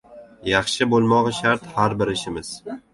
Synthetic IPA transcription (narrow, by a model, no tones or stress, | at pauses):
jɑχʃɪbolˠmɒʁɑʃaɾt̪haɾbɪɾɪʃɪmɪz̥